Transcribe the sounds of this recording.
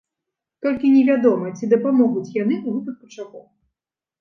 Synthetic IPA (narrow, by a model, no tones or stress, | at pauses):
t̪ɔlʲkʲinʲɛvʲad̪ɔmɐt͡sʲid̪ɐpamɔɣut͡sʲjanɨuɦup̪ɨxpɐt͡ʂakɔw